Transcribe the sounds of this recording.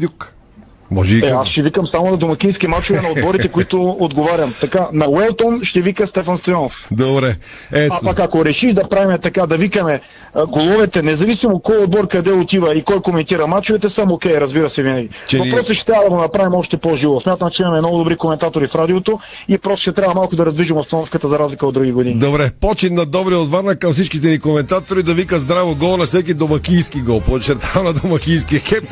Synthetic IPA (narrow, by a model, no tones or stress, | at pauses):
uk | mɔ̰ʒɛɛasʃɛvikɐmsamonɐd̪omɐk̟inskʲimat͡ʃovɛnɐod̪bɔɾit̪ɛkoit̪ood̪ɡovaɾʲjɐmt̪ɐkanɐwɛlˠt̪onʃt̪ɛvikɐst̪ɛfɐnst̪ɐjɔnofd̪obɾɛ | ɛapakakoɾɛʃiʒd̪ɐpɾavimɛt̪ɐkad̪ɐvikɐmɛ | ɡolˠɔvɛt̪ɛnɛzɐvisimot̪̚kɔjɔd̪̚bɔɾkɐd̪ɛot̪ivɐikɔjkomɛnt̪iɾɐmat͡ʃovɛt̪ɛsəmokɛjɾɐzbiɾɐsɛvinɐɡʲit͡ʃɛvɐpɾɔsɛʃɛ̥t̪ɾʲavɐd̪ɐɡonɐpɾavimɔʃt̪ɛpoʒivosmʲjat̪əmt͡ʃɛimɐmɛmnɔɡʊd̪obɾikomɛnt̪at̪oɾifɾad̪iot̪o | ipɾɔst̪ʃɛt̪ɾʲjabvɐmalˠkʊd̪ɐɾɐzd̪viʒimost̪ɐnɔfkət̪əzɐɾazlʲikəod̪ɾuɡʲiɡod̪inid̪obɾɛpɔt͡ʃit̪nɐd̪ɔbɾiot̪vaɾnɐkːɐmfsit͡ʃkit̪ɛnikomɛnt̪at̪oɾid̪ɐvikəzd̪ɾavoɡɔnɐfsɛk̬ʲid̪omɐkiːskiɡɔpot͡ʃɛɾt̪ʰavnɐd̪omɐkʲijskixɛp